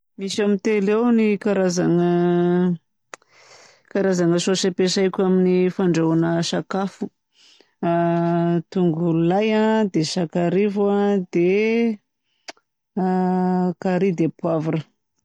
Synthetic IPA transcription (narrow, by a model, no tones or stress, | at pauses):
misamit̪elewnikaɾazaŋə | kaɾazaŋəsosapesajkʲaminifaɳɖ͡ʐaunəsakafu̥ | t̪uŋɡulajad̪esakaɾivuad̪e | kaɾid̪epwavuɾə